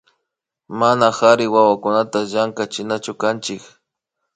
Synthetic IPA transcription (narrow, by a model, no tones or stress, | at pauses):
manaxaɾɪwawakʊnat̪aʒaŋkat͡ʃɪnat͡ʃʊkant͡ʃɪk